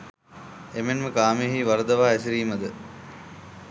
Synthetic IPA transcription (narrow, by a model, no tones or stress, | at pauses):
emenməkaːmijəɦiːʋɐɾəd̪ɐʋaːæsiɾiːməd̪ə